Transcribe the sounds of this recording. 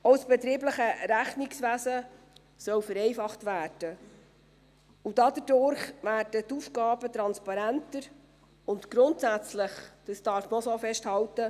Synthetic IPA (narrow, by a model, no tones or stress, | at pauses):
ɔwsb̥ɛt̪ɾiːbləχəɾæχniksʋæsə | sœwfəɾɛjfɑχtʋæːrd̥ə | ud̥ɑdədʊɾχʋæːrdət̪ufɡ̥ɑːb̥ət̪ɾɑnspɑɾæntəɾ | ʊntɡ̥ɾʊntsæt͡slɪχd̪̥əsd̥ɑɾfməɔsoːfɛʃthɑwtə